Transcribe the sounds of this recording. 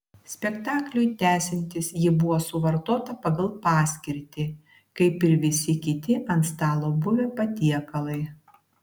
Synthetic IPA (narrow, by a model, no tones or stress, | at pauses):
sʲpʲɛkt̪ɑːklʲʊjt̪ʲæːsʲɪnʲt̪ʲɪsjɪbʊʋoːsʊʋɐɾt̪oːt̪ɐpɐɡɐlˠpɑːsʲkʲɪɾʲt̪ʲɪː | kɐɪpɪɾʋʲɪsʲɪkʲɪt̪ʲɪʔɐnt̪st̪ɑːlˠoːbʊʋʲeːpɐt̪ʲiɛkɐlˠɐɪ